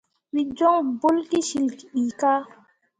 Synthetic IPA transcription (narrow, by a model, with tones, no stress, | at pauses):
wi˨d͡ʒɔ˦ŋbo˦lki˦ʃi˨lki˨ɗiː˨ka˦